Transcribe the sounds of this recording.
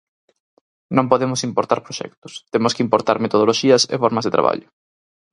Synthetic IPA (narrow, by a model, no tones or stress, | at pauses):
nõmpoðemʊsimpoɾt̪aɾpɾoʃɛ̰k̚t̪ʊ̥st̪emʊskɪimpoɾt̪aɾmet̪oð̞oloʃiɐsḛfɔɾmɐzðet̪ɾaβa̰ʎʊ